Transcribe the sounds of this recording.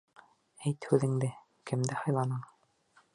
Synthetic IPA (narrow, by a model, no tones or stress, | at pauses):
æjt̪hʉðɘ̆ŋd̪ɘ | kɘ̆md̪ɘhɑjlˠɑnɤɴ